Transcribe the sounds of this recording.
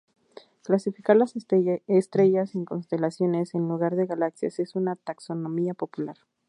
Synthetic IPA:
klasifikaɾlasest̪ɾe̞ʝasiŋko̞nst̪e̞lasjo̞ne̞se̞nluɣaɾðe̞ɣalaksja̰se̞sunat̪akso̞no̞miapo̞pulaɾ

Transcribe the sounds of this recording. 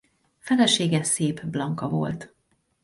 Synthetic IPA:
fɛlɛʃeːɡɛseːpblɒŋkɒvo̞̰lt̪

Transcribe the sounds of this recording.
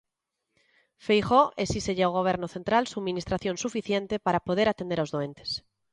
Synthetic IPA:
fejxoʔesiseʝeawɣ̞oβ̞eɾnoθent̪ɾalsumĩnist̪ɾaθjõnsufiθjent̪epaɾapoð̞eɾat̪end̪eɾaowzðoẽnt̪e̥s

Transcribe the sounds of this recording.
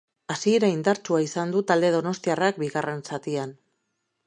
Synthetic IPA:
asieɾaind̪aɾt͡ʃuaisand̪ut̪ald̪e̞ðono̞st̪iarak̚biɣare̞nsat̪ian

